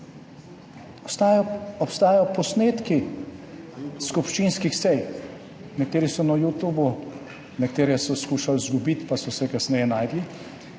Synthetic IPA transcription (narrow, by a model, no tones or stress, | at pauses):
ɔpst̪aːjajɔpɔsneːt̪ki | skupʃt͡ʃiːnskixsɛj | nɛkt̪eːɾisɔnajut̪uːbu | nɛk̚t̪eːɾjɛsɔskuːʃalzɡubit̪pasɔsɛkasnɛjɛnaːjd̪li